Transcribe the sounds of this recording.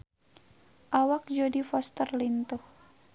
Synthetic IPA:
ʔawak̚d͡ʒodifɔst̪ərlint̪uh

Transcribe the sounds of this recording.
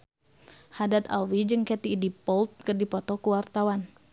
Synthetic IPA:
hadat̪a̰lwid͡ʒɨŋkɛt̪iːdipɔlt̪̚kərdipɔt̪ɔkuwart̪awan

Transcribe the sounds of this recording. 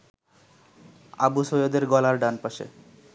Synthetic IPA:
abusojod̪eɾɡɔlaɾɖanpaʃḛ

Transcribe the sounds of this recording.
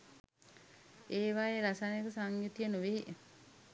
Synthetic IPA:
eːʋaeɾasanjekəsaŋjut̪ijənuʋee

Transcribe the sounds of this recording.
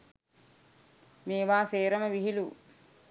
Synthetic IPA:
meːʋaːseːɾəməʋiɦilu

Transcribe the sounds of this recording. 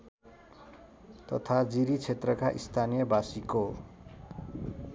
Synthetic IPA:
t̪ʌt̪ʰad͡ziɾit͡sʰet̪rʌkaʔist̪ʰanijʌbasiko

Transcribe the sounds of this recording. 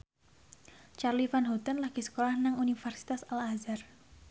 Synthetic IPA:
t͡ʃarlifanɦot̪anlaɡ̥isə̥kolahnaŋunifɛrsi̥t̪asalazar

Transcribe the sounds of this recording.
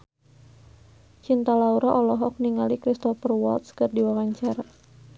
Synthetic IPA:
t͡ʃint̪alauɾaʔɔlɔɦɔk̚niŋalikɾist̪ɔfərwɔ̰lt̪skɨrdiwawaɲt͡ʃaɾa

